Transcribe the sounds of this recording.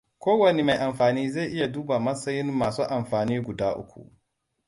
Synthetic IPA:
kʷoː˦wɐ˨ne˦ma˨jʔa˨mɸaː˨niː˦za˦˨ʔɪ˦ja˨duː˦ba˨mɐ˦sɐ˦jɪ˦mːaː˨suː˦ʔa˨mɸaː˨niː˦ɡʷʊ˨daː˦ʔʊ̰˦kʷṵ˨ʔ

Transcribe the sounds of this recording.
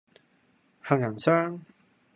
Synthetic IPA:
ha˨˩ŋjɐ˨˩nsœː˥ŋ

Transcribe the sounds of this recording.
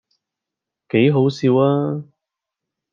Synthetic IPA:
ke˨˥jɦo˨˥wsiː˨˧waː˥

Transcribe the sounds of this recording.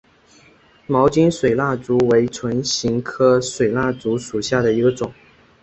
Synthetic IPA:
mɑ˧˥ʊt͡ɕi˥nʂwe˨˩ɪla˥˩t͡su˧˥we˧˥ɪt͡sʰwə˧˥nɕi˧˥ŋkʰɤ˥swe˨˩ɪla˥˩t͡su˧˥ʂu˨˩ɕja˥˩d̪ə˩i˧˥ɡə˧t͡sʊ˨˩˦ŋ

